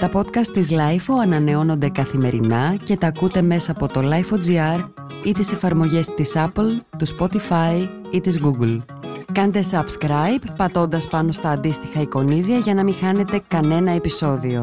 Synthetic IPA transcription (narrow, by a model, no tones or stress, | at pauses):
t̪ɐpo̞t̪kɐst̪ːizlɐjfoɐnɐne̞o̞no̞nd̪e̞kɐθime̞ɾinɐce̞t̪ɐːkut̪e̞me̞sɐːpo̞t̪o̞lɐjfo̞d͡ziɐɾ | it̪ise̞fɐɾmo̞ʝe̞st̪isɐplt̪uspo̞t̪ifɐi | it̪izɣuɡl | kɐnt̪e̞sɐbskɾɐjpːɐt̪o̞nd̪ɐspɐno̞st̪ɐːnd̪ist̪ixɐiko̞niðiɐʝɐnɐmixɐne̞t̪e̞kɐne̞nɐe̞piso̞ðio̞